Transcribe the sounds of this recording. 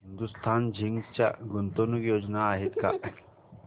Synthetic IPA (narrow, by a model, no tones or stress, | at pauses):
ɦɪnd̪ust̪ʰaːnd͡ʒʱiŋt͡ʃa̰ɡunt̪onukjoːd͡ʒnaːɦit̪ka̰